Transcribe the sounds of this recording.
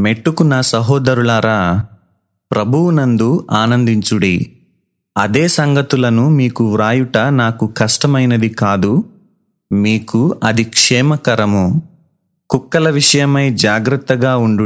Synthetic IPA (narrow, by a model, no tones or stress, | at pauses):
meʈːukunaːsɐɦɔːd̪ɐɾuɭaːɾa | pɾɐbʱuwunɐnd̪uʔaːnɐnd̪iɲt͡ʃuɽḭ | ɐd̪eːsɐŋɡʱɐt̪ulɐnumiːkuʋɾaːjuʈɐnaːkukɐʂʈɐmɐjnɐd̪ikaːd̪u | miːkuɐd̪ʱikʂɛːmɐkɐɾɐmu | kukːɐlɐʋiʂɐjɐmɐjd͡ʒaːɡɾɐt̪ːɐɡaːuɳɖu